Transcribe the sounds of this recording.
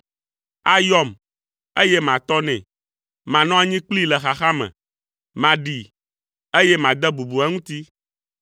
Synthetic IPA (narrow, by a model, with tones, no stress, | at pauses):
a˦jɔ˦m | e˦jɛ˦mã˨t̪ɔ˦nɛ̰̃˨ | mã˨nɔ̃˦a˦ɲĩ˦k͡pli˦lɛ˨xa˨xa˦mɛ̰̃˨ | mã˨ɖi˨ | e˦jɛ˦mã˨d̪ɛ˦bu˨bu˨a˦ŋũ˦t̪i˦